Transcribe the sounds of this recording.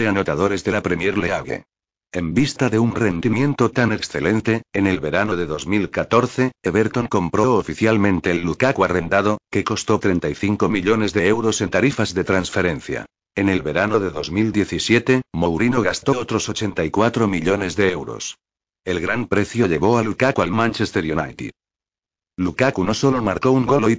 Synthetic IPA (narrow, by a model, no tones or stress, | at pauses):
eano̞t̪aðo̞ɾe̞zðe̞lapɾemjeɾleaβlḛ | embist̪aðe̞unrend̪imjẽ̞nt̪o̞t̪ane̞ksθe̞lẽ̞nt̪e̞ːne̞lβe̞ɾano̞ðe̞ðo̞zmilkat̪o̞ɾθe̞eβeɾt̪o̞ŋko̞mpɾo̞ofiθjalmẽnt̪e̞ːlːukakware̞nd̪aðo̞ke̞ko̞st̪o̞t̪ɾe̞nt̪ajθiŋko̞miʎo̞ne̞zðe̞ewɾo̞se̞nt̪aɾifazðe̞t̪ɾansfe̞ɾẽ̞nθja̰ | e̞ne̞lβe̞ɾano̞ðe̞ðo̞zmild̪je̞θisje̞t̪e̞mowɾino̞ɣ̞ast̪o̞ot̪ɾo̞so̞t͡ʃe̞nt̪aikwat̪ɾo̞miʎo̞ne̞zðe̞ewɾo̞̰s | e̞lɣɾampɾe̞θjo̞ʎe̞β̞o̞alukakualmãnt͡ʃest̪eɾjuna̰jt̪ḭ | lukakunoso̞lomaɾko̞uŋɡoloj